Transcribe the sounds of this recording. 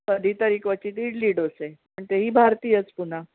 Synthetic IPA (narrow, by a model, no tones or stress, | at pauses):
kəd̪ʱiːt̪əɾikʋət͡ɕiːt̪iɽliːɽoseməɳt̪eɦiːbʱaɾt̪iːət͡spun̤a